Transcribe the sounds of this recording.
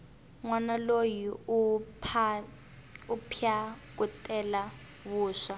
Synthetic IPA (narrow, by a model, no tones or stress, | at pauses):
ŋwanaloji | pʰ | upʰa | kutʼɛla | βuːʂa